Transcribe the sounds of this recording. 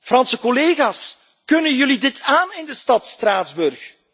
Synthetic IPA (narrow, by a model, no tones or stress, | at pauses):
frɑnsəkɔleːɣaːs | kɵnənjɵlidɪtʰaːnɪndəstɑtstraːdzbɵrx